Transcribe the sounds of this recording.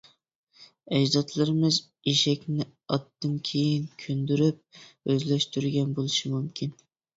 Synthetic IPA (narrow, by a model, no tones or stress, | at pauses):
ɛd͡ʒzɑt̪lˠɨɾɨmɨz | iʃɛkʲnɪɑt̪ːɨnkʲʰejɪnkʲʰønd̪yɾyp̚øzlɛʃt̪yɾɡʲɛnbolˠɨʃimumkʲʰin